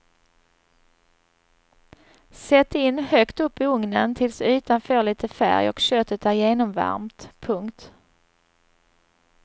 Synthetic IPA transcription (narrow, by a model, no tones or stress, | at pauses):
sɛt̪ːɪnːhœkt̪ɵpːɪɵŋnənt̪ʰɪlsʉ̟ːt̪anfœːɭiːt̪əfæ̰ɾjɔ̰kɕøːt̪ət̪æɾjeːnɔmva̰ɾmt̪pʰɵŋkt̪